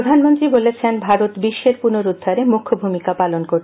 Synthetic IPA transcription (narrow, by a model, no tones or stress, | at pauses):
d̪ʱanmont̪ɾibolet͡ɕʰenbʱaɾot̪biʃːeɾpunoɾud̪ʱːaɾemukʰːobʱumikapalonkoɾʰ